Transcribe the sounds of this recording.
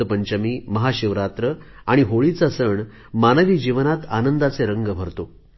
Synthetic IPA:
əpəɲt͡ɕamiːməɦaɕiʋɾat̪ɾə | aɽ̃iɦoɭit͡sasəɳ | manəʋiːd͡ʑiʋnat̪anənd̪at͡seɾəŋɡəbʱəɾt̪o

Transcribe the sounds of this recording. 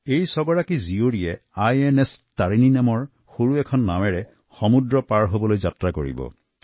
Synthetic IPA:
ejsɔɡɔɹakizioɹijɛajɛnɛstaɹininamɔɹ | xoɹuɛkʰɔnːamɛɹɛ | xɔmudɹɔpaɹɦobɔlojzatɹakoɹḭbɔ̰

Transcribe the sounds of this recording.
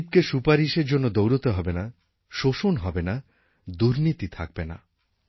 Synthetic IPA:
b̚keʃupaɾiʃeɾd͡ʑonːod̪owɾɔt̪oɦɔbena | ʃoʃonɦɔbena | d̪uɾnit̪it̪ʰak̚bena̰

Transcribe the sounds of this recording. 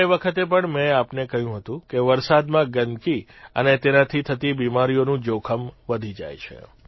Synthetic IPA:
eʋəkʰət̪ep̬əɳmɛ̃apnekəɦjũɦət̪ũkeʋəɾsad̪mãɡənki | ə̰net̪enat̪ʰit̪ʰət̪ibimaɾijonũd͡ʒokʰəmʋəd̪ʱid͡ʒa̰jt͡ʃʰḛ

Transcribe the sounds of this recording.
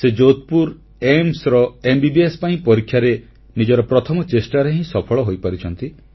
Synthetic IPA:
sed͡ʒot̪̚puɾ | emsɾɔembibiespaĩpɔɾikʰjaɾe | nid͡ʒɔɾɔpɾɔt̪ʰɔmɔt͡ʃesʈaɾeɦĩsɔpʰɔɭɔɦojpɔɾit͡ʃʰɔnt̪i

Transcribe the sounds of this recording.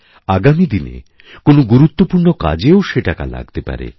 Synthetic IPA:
aɡamid̪inḛ | konoɡuɾut̪ːopuɾɳoka̰d͡ʑeoʃeʈaka̰la̰ɡ̚t̪epa̰ɾḛ

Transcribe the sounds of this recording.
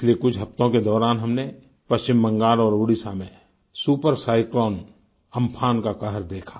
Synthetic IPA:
sliekʊt͡ʃʰɦɐft̪õked̪ɔːɾaːnɦɐmne | pɐst͡ʃɪmːə̃ŋɡaːlɔːɾoːɽisamẽ | suːpəɾsaːɪklɔːn | ə̃mpʰaːnkakəɦəɾd̪eːkʰḁː

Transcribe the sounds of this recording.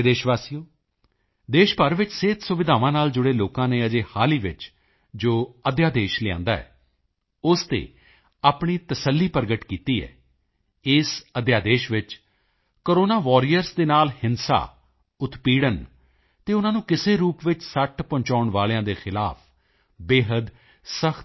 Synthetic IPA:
d̪eːʃʋaːsijoː | d̪eːʃpəɾʋɪt͡ʃseːt̪sʊʋɪd̪ʱaːʋãːnaːld͡ʒʊɽeːloːkãːneːəd͡ʒeːhaːliːʋɪt͡ʃ | d͡ʒoːəd̪jaːd̪eːʃlɪã̰ːnd̪aːɛ̰ː | ʊst̪ḛː | aːpɳiːt̪əsəlːiːpəɾɡəʈkiːt̪iːɛ̰ː | ɪsəd̪jaːd̪eːʃʋɪt͡ʃ | koɾoːnaːʋɔːɾijəɾsd̪eːnaːlhɪnsa̰ː | ʊt̪piːɽən | t̪eːʊnãːnũːkɪseːɾuːpʋɪt͡ʃsəʈʰpɔ̃ːɲt͡ʃaːʊɳʋaːlejãːd̪eːxʰɪlaːpʰ | beːɦəd̪ | səx

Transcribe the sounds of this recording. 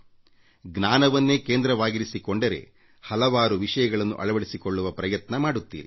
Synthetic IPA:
ɡnaːnɐʋɐnːe̞ːkeːnd̪ɾɐʋaːɡiɾisikoɳɖɐɾe̞̰ | hɐlɐʋaːɾuʋiʂɐjɐɡɐɭɐnːṵʔɐ̰ɭɐʋɐɽisiko̞ɭːuʋɐpɾɐjɐt̪nɐmaːɽut̪ːḭːɾi

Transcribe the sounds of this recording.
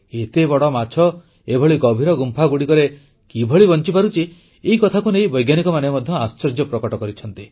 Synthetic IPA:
et̪ebɔɽɔmat͡ʃʰɔ | ebʱɔɭiɡɔbʱiɾɔɡumpʰaɡuɽikɔɾe | kibʱɔɭibɔnt͡ʃipaɾut͡ʃi | eikɔt̪ʰakuneĩbɔjɡjanikɔmanemɔd̪ʱjɔast͡ʃɔɾd͡ʒjɔpɾɔkɔʈɔkɔɾit͡ʃʰɔnt̪i

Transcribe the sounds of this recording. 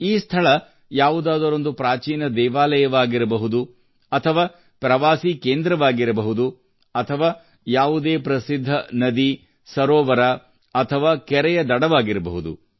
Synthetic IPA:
iːst̪ʰɐɭɐ | jaːʋud̪aːd̪ɐɾo̞nd̪upɾaːt͡ʃiːnɐd̪ɛːʋaːlɐjɐʋaːɡiɾɐbɐɦud̪u | ɐt̪ʰɐʋaː | pɾɐʋaːsiːkeːnd̪ɾɐʋaːɡiɾɐbɐɦud̪u | ɐt̪ʰɐʋaː | jaːʋud̪eːpɾɐsid̪ʱːɐnɐd̪i | sɐɾɔːʋɐɾa | ɐt̪ʰɐʋaːkɛɾɛjɐd̪ɐɽɐʋaːɡiɾɐbɐ̰ɦud̪ṵ

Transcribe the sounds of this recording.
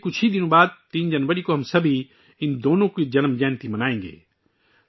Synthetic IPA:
kʊt͡ʃʰid̪ɪnõbaːd̪̚t̪iːnd͡ʒɐnʋəɾikoɦɐmsɐbʱi | ɪnd̪oːnõkid͡ʒɐnmd͡ʒɛːnt̪imɐnaːẽːŋɡḛː

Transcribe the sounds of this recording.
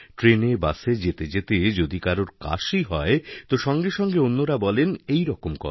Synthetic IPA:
ʈɾenebased͡ʑet̪ed͡ʑet̪ed͡ʑod̪ikaɾoɾka̰ʃiɦɔet̪oʃɔŋɡeʃɔŋɡeonːoɾabɔlenejɾɔkomkɔ̰

